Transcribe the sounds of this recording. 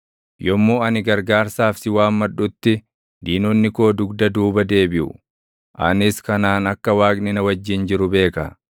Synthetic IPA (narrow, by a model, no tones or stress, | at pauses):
jɔmːoːɐnɪɡɐɾɡaːɾsaːfsɪwaːmːɐᶑʊt̪ːɪ | d̪iːnɔnːɪko̞ːd̪ʊɡd̪ɐd̪uːbɐd̪e̞ːbɪʔʊ̰ | ʔɐ̰nɪskɐnaːnɐkːɐwaːknɪnɐwɐd͡ʒːɪnd͡ʒɪɾʊbe̞ːkɐ̰